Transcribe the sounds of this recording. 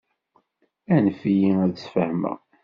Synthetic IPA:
ænfijiæðəsfəhmæ̰

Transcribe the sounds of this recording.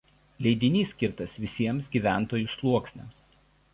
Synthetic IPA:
lʲɛɪd̪ʲɪnʲiːsʲkʲɪɾt̪ɐsʋʲɪsʲiɛmsɡʲiːˑʋʲæˑnt̪oːjʊslˠuɔksʲnʲɛ̰ms

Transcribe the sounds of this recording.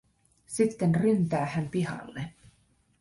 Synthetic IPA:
sit̪ːe̞nrynt̪æːhæmpihɑ̰lːe

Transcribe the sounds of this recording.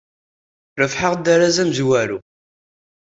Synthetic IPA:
ɾəfħəʁd̪aɾazæmzwæɾu

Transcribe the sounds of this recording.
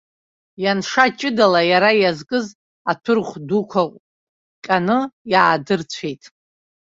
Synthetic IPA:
janʂat͡ʃʼɪdalajaɾajazkʼɨz | atʰɨrχʷdukʷʰaqʷʼ | kʲʼanɨjaːdɨrt͡ɕʷʰe̞jtʼ

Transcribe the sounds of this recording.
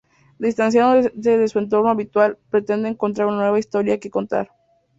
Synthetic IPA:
d̪ist̪ans̬jaðoðeðesue̞nt̪o̞ɾnoaβit̪walpɾe̞t̪e̞nd̪eːŋko̞nt̪̬ɾaɾunanwe̞βaist̪o̞ɾjakeko̞nt̪a̰ɾ

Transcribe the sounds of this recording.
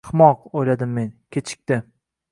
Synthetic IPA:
χmɒqojlad̪ɪmːe̞nkʲʰet͡ʃʰɪ̥k̚ʲt̪ɪ

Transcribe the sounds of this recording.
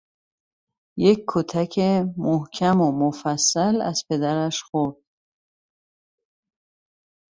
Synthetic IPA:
jecʰːot̪ʰæcʰemohcʰæmomofæsːælæ̰z̥pʰe̞d̪æɾæʃxoɾd̪̥

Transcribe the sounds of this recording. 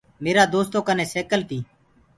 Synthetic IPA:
meːɾaːd̪oːst̪oːkənẽːseːkəlt̪iː

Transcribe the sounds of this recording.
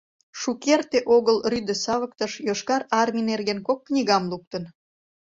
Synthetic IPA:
ʃukert̪eʔoɣəlryd̪əsɑβək̚t̪əʃjoʃkɑɾɑrmʲinerɣenkokːnʲiɣɑmluk̚t̪ən

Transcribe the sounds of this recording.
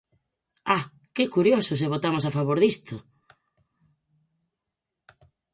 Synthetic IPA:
a | kɪkuɾjosʊs̬eβ̞ot̪amos̬afaβoɾðist̪ʊ

